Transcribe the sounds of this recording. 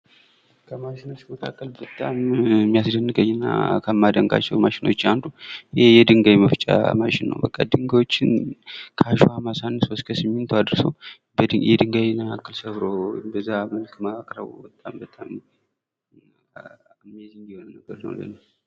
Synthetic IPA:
kʰəmaʃɪnot͡ʃməkʰa̰kʼːəlbət̪ʼːammːijasd̪ənːɨɡəɲːɪnːa̰kʰəmːad̪əŋɡa̰t͡ʃːɛwmaʃɪno̞t͡ʃːand̪ujjɛd̪ɨŋɡajməft͡ʃʼa̰maʃɪnːə̰wbəkʼːad̪ɨŋɡawot͡ʃːɪnkʰəaʃuhamasanːɨswoskʰəsɨmːɪnt̪ʰuad̪ɾso̰w | bəd̪ɨjɛd̪ɨŋɡajnːaakːɨlsəβɾo̰mbəzːaməlkmakʼɾə̰wbət̪ʼːambət̪ʼam | mːɛzɨnd̪ihonənːəɡəɾnə̰wlə̰nə

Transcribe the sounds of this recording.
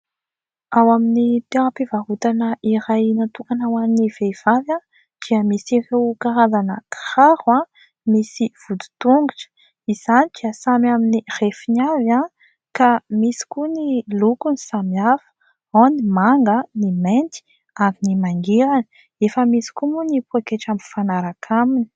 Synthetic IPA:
awaminit̪eɾapivaɦut̪anəʔiɾajnat̪uŋkanawanniv̥ev̥avja | d̪̥iəmisirewkaɾazanəkḁraɾuã | misiv̥ud̪u̥t̪uŋɡuʈ͡ʂə̥ | iz̥anid̪̥iəsamaminirefinava | kamisi̥kunilukunisamafə̥ | onimaŋɡəniment̪i̥ | aminimaŋɡiɾanə̥ | efəmisi̥kumunipuakeʈ͡ʂamfanaɾakʰamini̥

